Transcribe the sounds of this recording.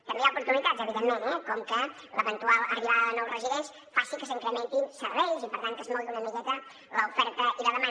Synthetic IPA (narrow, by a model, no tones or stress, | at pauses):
t̪əmejaupuɾt̪unit̪at̪zəβiðemːẽnɛkɔmkə | ləβənt̪ualˠəriβaðənowrəziðɛns | fasikəsiŋkɾəment̪insəɾβɛjzipəɾt̪aŋkəzmɔlˠt̪unəmikɛt̪ə | ləufɛɾt̪əʔiləðəma